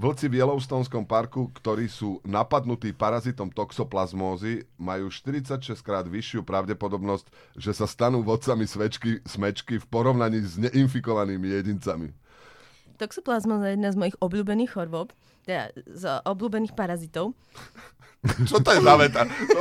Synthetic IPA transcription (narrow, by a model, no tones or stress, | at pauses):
ʋl̩t͡siʋjɛlɔʊst̪ɔːnskɔmpaɾkukt̪ɔɾiːsuːnapad̪nut̪iːpaɾazit̪ɔmt̪ɔksɔplazmɔːzimajuːʃt̪iɾit͡sacʃɛst̪kɾaːd̪ʋiʃɪupɾaʊɟɛpɔd̪ɔbnɔsc | ʒɛsast̪anuːʋɔt̪t͡samisʋɛt͡ʃkismɛt͡ʃkifpɔɾɔʊnaɲiːzɲɛʔinfikɔʋaniːmijɛɟint͡samḭ | t̪ɔksɔplazmɔːzajɛjɛd̪naːzmɔjiɣɔbʎuːbɛniːɣxɔɾʋɔp | t̪ɛd̪a̰zʔɔbʎuːbɛniːxpaɾazit̪ɔʊ | t͡ʃɔt̪ɔɛzaʋɛt̪a